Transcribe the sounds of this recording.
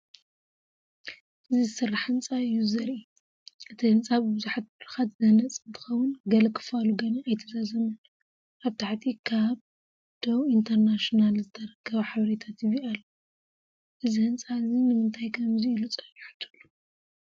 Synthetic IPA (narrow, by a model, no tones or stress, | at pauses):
ʔɨzizsɨrːaħhɨnt͡sʼaɨjːuzɐɾʔi | ʔɨt̪ʰihɨnt͡sʼaβɨbɨzuħat̪̚bɾɨxat̪zɐnɐt͡sʼɨnt̪ʰɨ̥xɐwʊnɡɐlɐkʰɨ̥faluɡɐnɐajt̪ʰɐzazɐmɨn | ʔaβt̪ʰaħt̪ʰikʰaβ | d̪̥owint̪ʰɐɾnaʃonalzɨt̪ʰɐɾɐkʰːɐβɐħaβɐɾet̪ʰat̪jɪβialːo | ʔɨzihɨnt͡sʼaɨzinɨmɨnt̪ʰajkʰɐmziɨlut͡sʼɐjħu̥t̪ʰu̥lːu̥